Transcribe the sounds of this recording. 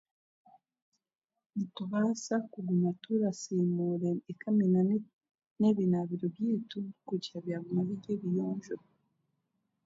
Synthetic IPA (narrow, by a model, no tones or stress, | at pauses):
mutuβasakuɡumatuɾasimuɾeːkʰamina | neβinaβiɾobjitukud͡ʒiaβjaɡumaβiɟeβijoːɲʒo